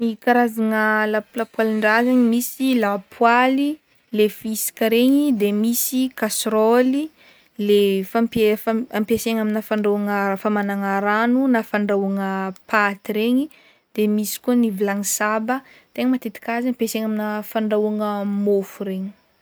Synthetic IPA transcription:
nikaɾazaŋəlaplapwaliɳɖ͡ʐazaɲimisilapwali | lefisi̥kəɾeɲid̪emisikasɾoli | lefampefampiaseŋaminafaɳɖ͡ʐawaŋafamanaŋaɾanunafaɳɖ͡ʐawaŋəpat̪iɾeɲi | d̪̥emisi̥kuənivilaŋisabə | t̪eŋəmat̪et̪i̥kʲaziampeseŋaminafaɳɖ͡ʐaaŋəmofuɾeɲi̥

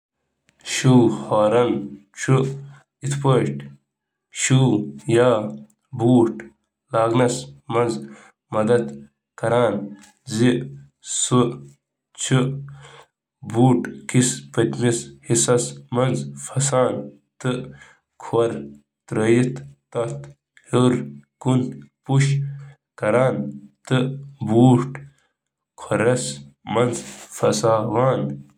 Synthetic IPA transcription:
ɕuːhaːɾɐnt͡ʃʰu | it̪ʰpəːʈ | ɕuːjaː | buːʈ | laːɡnɐsmɐnz | mɐd̪ɐd̪ | kɐɾaːn | zi | su | t͡ʃʰu | buːʈkispɐt̪mishisɐsmɐnzfɐsaːn | t̪ɨ | kʰɐɾ | t̪ɾəjit̪t̪ɐt̪ | hoɾkunpuʃ | kɐɾaːnt̪ɨbuːʈ | kʰɐɾɐsmɐnzfɐsaːʋaːn

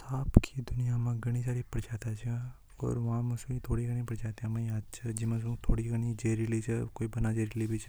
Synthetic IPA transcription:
saːpkʰid̪ʊnijamãɡɐɽ̃isaːɾipɐɽd͡ʒaːt̪at͡ʃʰe | ɔ̰ːɾʋɐɦãmɐsit̪ʰoːɽiɡɐɽ̃ĩpɐɽd͡ʒaːt̪ãmɐ̃ĩaːd̪t͡ʃʰəd͡ʒɪmãs̬ũt̪ʰoːɽiɡɐnid͡ʒeːɾilit͡ʃʰəkoːibɐnad͡ʒeɾɪlibit͡ʃʰ

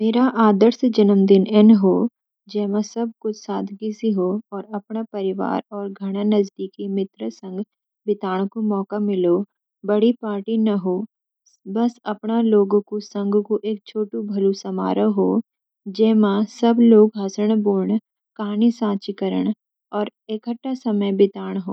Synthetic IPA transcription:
meːɾaʔaːd̪əɾsd͡ʒɐnəmd̪ɪnɛnɦoː | d͡ʒɛːmãsɐb̚kʊt͡ʃʰsaːd̪ʱɡisiɦoɔːɾɐpɳapɐɾɪʋa̰ːɾɔːɾɡʱɐɽ̃anɐzd̪iːkimɪt̪ɾəsɐ̃ŋɡ | bɪt̪aːɽ̃komɔːkamɪloː | bɐɽipaːɾʈinɐɦoː | bɐsɐpɳaloːɡõkosɐ̃ŋɡʱkoʔeːk̚t͡ʃʰoːʈũbʱɐlusɐma̰ːɾəɦoː | d͡ʒɛːmãsɐbloːɡɦasəɽ̃boːɳ | kɐɦaːnisãːt͡ʃɪkəɾə̰ɽ̃ | ɔːɾeːkəʈːasɐməjbɪt̪aːɽ̃ɦo̰ː

